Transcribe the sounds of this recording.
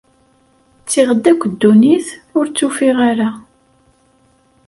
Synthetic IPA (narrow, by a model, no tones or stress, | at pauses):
t͡sːiʁəd̪ːækʷːd̪ːuniθʊɾt͡sːufiʁaɾa